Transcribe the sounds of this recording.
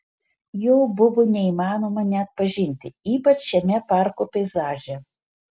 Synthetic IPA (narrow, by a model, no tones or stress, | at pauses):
jɔwbʊʋʊnʲɛimɑːnɔmɐnʲɛɐt̪̚pɐʒʲinʲt̪ʲɪiːpɐt͡ʃʃʲɛmʲɛparkʊpʲɛjzaʒʲɛ